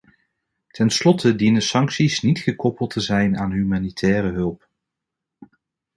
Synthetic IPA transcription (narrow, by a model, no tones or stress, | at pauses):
tʰɛnslɔtʰədinəsɑŋksisnitχəkɔpəlˠtəzɛjnaːnɦymaːnitʰɛːrəɦɵlˠp